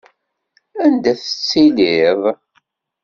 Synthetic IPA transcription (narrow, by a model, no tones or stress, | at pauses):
ænd̪æθə̥t͡sːiliðˤ